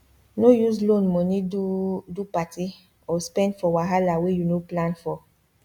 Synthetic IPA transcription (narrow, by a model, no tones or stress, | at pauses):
nojuzlõnmɔniudupati | ɔspɛ̃ndfɔwaɦalawejunoplãnfɔ